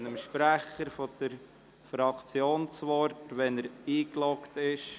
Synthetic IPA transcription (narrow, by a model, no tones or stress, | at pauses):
nəmʃpɾæχəɾfɔd̪̥əɾ | fɾɑkʰt͡sjoːnsʋɔɾtʋɛnəɾiːklɔktɪʃ